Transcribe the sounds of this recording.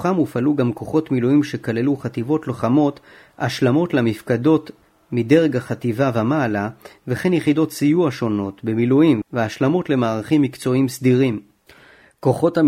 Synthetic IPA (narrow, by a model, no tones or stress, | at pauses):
χamufaluɡamko̞χo̞tmiluimʃe̞kale̞luχativo̞tloχamo̞t | aʃlamo̞tlamifkado̞t | mide̞ʁeɡaχativavamaːlaveχe̞njeχido̞t̪sijuaʃo̞no̞tbemiluimveaʃlamo̞tle̞maːʁaχimːikt͡so̞imsd̪iʁim | ko̞χo̞ta